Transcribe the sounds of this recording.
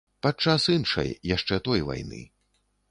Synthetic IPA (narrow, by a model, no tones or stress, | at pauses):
pat͡ʂːasɨnʂɐ̰jːaʂt͡ʂɛt̪ɔjva̰jnɨ̰